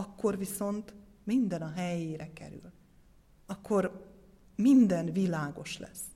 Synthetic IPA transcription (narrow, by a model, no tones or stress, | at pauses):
ɒkːo̞rʋiso̞nt̪ | mind̪ɛnɒɦɛjeːɾɛkɛ̰ɾy̰l | ɒkʰːo̞ɾ | mind̪ɛnvilaːɡo̞ʃlɛ̰sː